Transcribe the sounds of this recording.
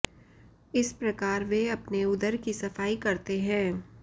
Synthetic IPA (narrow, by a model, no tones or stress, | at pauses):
ɪspɾɐkaːɾʋeɐpneʊd̪əɾkisɐfaːikɐɾt̪eɦɛ̃ː